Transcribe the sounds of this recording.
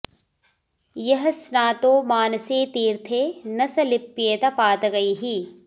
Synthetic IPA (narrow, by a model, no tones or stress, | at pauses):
jɐɦsnaːt̪oːmaːnseːt̪iːɾt̪ʰeːnɐsɐlɪpːijet̪ɐpaːt̪ɡɐiːɦi